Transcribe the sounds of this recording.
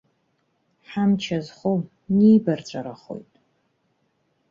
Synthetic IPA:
ħamt͡ʃʰazχʷow | nijbart͡sʷʼaɾaχo̞̰jtʼ

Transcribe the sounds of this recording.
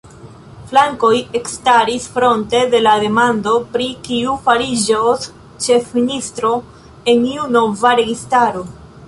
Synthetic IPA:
flaŋko̞je̞kstaɾisfɾo̞nte̞de̞lade̞mando̞pɾikiufaɾid͡ʒos | t͡ʃe̞fministɾo̞ | e̞niuno̞vaɾe̞ɡistaɾo̞

